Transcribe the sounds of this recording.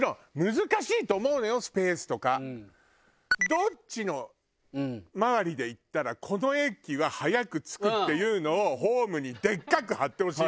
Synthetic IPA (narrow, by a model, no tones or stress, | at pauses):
nõmɯ̟zɨkaɕiːt̪o̞ːmo̞ɯ̟no̞jo̞sɨ̥pe̞ːsɨ̥t̪o̞ka | d̪o̞t͡ɕɕino̞ | maβaɾʲid̪e̞it̪ːaɾakʰo̞no̞e̞kʲːiβahajakɯ̟t͡sɨ̥kɯ̟t̪ːe̞jɯ̟ːno̞ːɦo̞ːmɯ̟ɲ̟id̪e̞kːakɯ̟hat̪ːe̞ho̞ɕiː